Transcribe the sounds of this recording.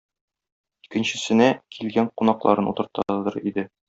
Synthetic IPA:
ikɘ̆nɕɘ̆sɘ̆nækʰilɡæɴqunɑqlˠɑ̰ɾɤnṵt̪ɤ̆ɾt̪ɑd̪ɤɾḭd̪ɘ

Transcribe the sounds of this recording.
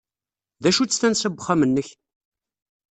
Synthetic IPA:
ðæʃut͡sːsθænsəbːəχæmənːəç

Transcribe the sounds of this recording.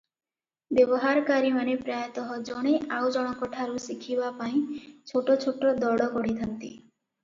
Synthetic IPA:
bebɔɦaɾɔkaɾimanepɾajɔt̪ɔɦɔd͡ʒɔɽ̃eʔawd͡ʒɔɽ̃ɔkɔʈʰaɾusikʰibapaĩt͡ʃʰoʈot͡ʃʰoʈɔd̪ɔɽɔkɔɽit̪ʰant̪ḭ

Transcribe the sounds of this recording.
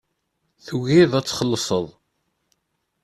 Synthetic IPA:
θuʝiðˤæt͡sːχəlːsˤəðˤ

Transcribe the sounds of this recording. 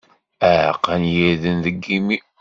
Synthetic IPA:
æʕqːənjiɾðənðəɡːimi

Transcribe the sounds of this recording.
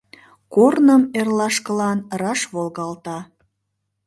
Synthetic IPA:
kornəmerlɑʃkəlɑnrɑʃβolɣɑlt̪ɑ

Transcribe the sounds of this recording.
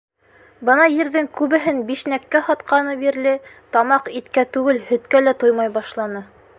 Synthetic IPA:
bɤ̆nɑjɘ̆ɾðɘŋkʉβɘ̆ɦɘnbiʃnækːæhɑt̪qɑnɤbiɾlɘt̪ɑmɑqit̪kæt̪ʉɡɘlhɵ̆t̪kælæt̪ojmɑjbɑʃlˠɑnɤ

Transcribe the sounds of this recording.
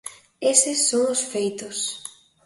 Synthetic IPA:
esɪsːoŋʊsfejt̪ʊs

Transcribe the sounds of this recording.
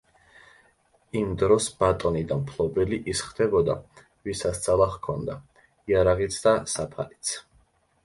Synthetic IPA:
imd̪ɾɔsbat̪ʼɔnid̪ampʰlˠɔbɛliʔisχd̪ɛbɔd̪a | visast̪sʼalˠaχkʰɔnd̪a | iaɾaʁit̪sʰd̪asapʰalit̪sʰ

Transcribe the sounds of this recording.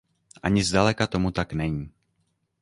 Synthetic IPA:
ʔaɲɪzdalɛkat̪o̞mut̪aknɛɲiː

